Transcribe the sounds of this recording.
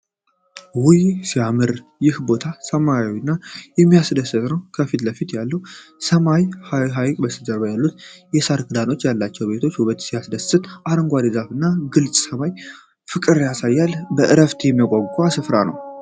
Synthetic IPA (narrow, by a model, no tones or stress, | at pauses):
wʊjsijamɨɾ | jɪhbo̞t̪ʰasəmajwɪnːajɛmːijasd̪əsːɨt̪ʼnəwkʰəfit̪ləfit̪jalːəwsəmajhɦajkʼbəsɨzʼəɾbajalːut̪jɛsaɾkʰɨd̪ano̞t͡ʃːjalːat͡ʃːɛwbe̞t̪ʰot͡ʃːhuβət̪sijasd̪əsɨt̪ʔaɾəŋɡʷad̪izafɨnːaɡɨlsʼsəmaj | fɨkʼɨɾjasajːalbəʔɨɾəft̪ʰjɛmːəkʼoɡʷʼasɨfɾa̰nə̰w